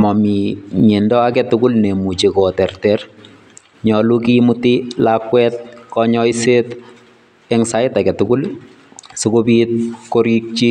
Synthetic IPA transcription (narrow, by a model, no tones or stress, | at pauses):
mɔmiɲendɔakɛtʊkulnemut͡ʃekɔtɛrtɛr | ɲɔlukimutilakwɛt̚kɔɲɔiset | ɛŋsaɪtakɛtukul | sukobit̚koɾik̚t͡ʃi